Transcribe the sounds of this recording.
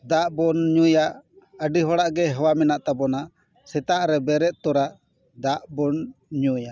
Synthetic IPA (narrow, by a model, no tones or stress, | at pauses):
d̪aʔbɔnɲujaʔ | əɖiɦɔɽaʔɡɛɦəwamɛnaʔt̪abɔna | sɛt̪aʔɾɛbɛɾɛʔ̪̚t̪ɔɾaʔ | d̪aʔbɔnɲuja